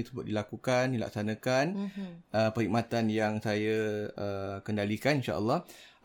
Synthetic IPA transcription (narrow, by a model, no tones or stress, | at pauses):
t̪u̥səbʊt̪̚dilakukandila̰k̚sanə̃kanəpəɾhik̚mat̪anjaŋsajaəkəndalikaninʃa̰ʔə̰lːɑh